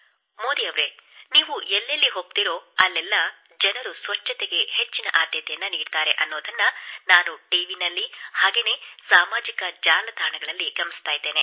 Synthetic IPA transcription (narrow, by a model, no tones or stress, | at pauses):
moːd̪ijɐʋɾe̞niːʋuʔɛlːɐlːiɦoːɡ̚t̪iɾo̞ːɐlːɛlːɐ | d͡ʒɐnɐɾusʋɐt͡ʃːɐt̪eɡe̞he̞t͡ʃːinɐ̰ʔaːd̪jɐt̪ɛjɐnːɐniːɖt̪aːɾe̞ʔɐnːoːd̪ɐnːɐnaːnuʈiʋinɐlːihaːɡe̞ːne̞ːsaːmaːd͡ʒikɐd͡ʒaːlɐd̪ʱaːɐɳɐɡɐɭɐlːiɡɐmːist̪aːjd̪e̞ːne̞